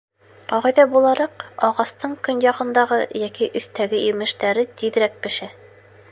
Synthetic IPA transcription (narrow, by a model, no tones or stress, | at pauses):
qɒʁɑjðɑbulˠɑɾɑqɒʁɑst̪ɤɴkɵnjɑqɤ̆nd̪ɑʁɤjɒkiʔɵ̆θt̪æɡɘʔiɾmɘ̆ʃt̪æɾɘt̪iðɾæk̚pɘ̆ʃæ